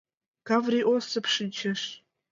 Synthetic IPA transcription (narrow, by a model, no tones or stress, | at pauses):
kavriʔosɨpʰʂɨt͡ʃʰɐʂ